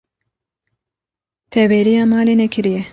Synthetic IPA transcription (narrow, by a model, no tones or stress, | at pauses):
t̪ʰɛveːɾijɑːmɑːleːnɛkʰɨɾijɛ